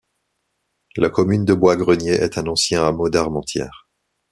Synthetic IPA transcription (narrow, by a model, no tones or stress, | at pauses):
lakɔmynd̪əbwaɡʁənjeʔɛt̪ʰɛ̃nɑ̃sjɛ̃amod̪aʁmɑ̃t̪jɛ̰ːʁ